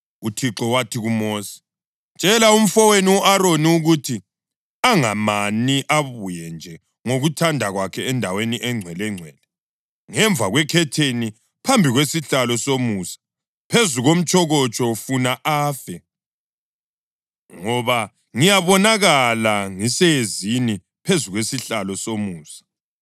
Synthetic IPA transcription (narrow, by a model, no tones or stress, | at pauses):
utʰiǁɔwatʰiɣumosi̥ | t͡ʃʼɛlaum̩fɔweniuʔaɾoniuɣutʰi | aŋamaniʔaβujɛnd͡ʒʱɛ | ŋoɣutʰandʱaɣwakʰɛɛndʱaweniʔɛŋ͡ǀʱwɛlɛŋ͡ǀʱwɛːlɛ | ŋɛɱbvʱaɣwɛkʰɛtʰeni | pʰambʱiɣwesiɬalɔsomuːsḁ | pʰezuɣom̩t͡ʃʼɔɣɔt͡ʃʼɔfunaʔaːfɛ | ŋɔβa | ŋijaβɔnaɣalaŋisɛezini | pʰezuɣwesiɬalɔsomuːsḁ